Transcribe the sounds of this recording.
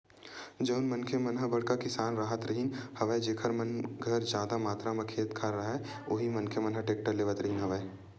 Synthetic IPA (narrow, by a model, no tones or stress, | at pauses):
d͡ʒɐʊnmɐnkʰemɐnɦəbɐɽkakɪsaːnɾaɦət̪ɾɐɦinhɐʋəed͡ʒeːkʰəɾmɐnɡʱəɾd͡ʒjaːd̪amaːt̪ɾamɐkʰeːt̪kʰaɾaɦɦɛ | oːɦimɐnkʰemɐnɦəʈeːk̚ʈəɾleːʋət̪ɾɐɦinɦɐʋəe